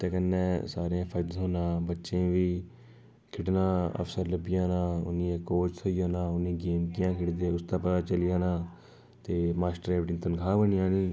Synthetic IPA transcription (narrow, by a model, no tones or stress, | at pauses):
t̪eːkənːeːsaːɾãːpʰəɾd͡ʒ̪ɦoːnãːbətːʃẽːʋiː | kʰɪʈnãːə̰fsəɾləbɪjãːnãːʊ̰nĩːekoːt͡ʃt̪ʰoiːoːnãːʊnĩːɡeːmkijãːkʰɪʈd̪eːʊsd̪ãːpət̪aːt͡ʃəlɪjãːnãː | t̪eːmaːsʈəɾɛːʋʈɪ̃nt̪ənkʰaːbənɪjãːniː